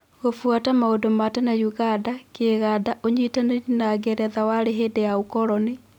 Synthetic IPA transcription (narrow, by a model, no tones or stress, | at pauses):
ɣofwatamaodomatanajuɣadakeɣaːdaʔoɲitaneinaɣeɾɛðawaɾeɦeːdejaokɔɾɔne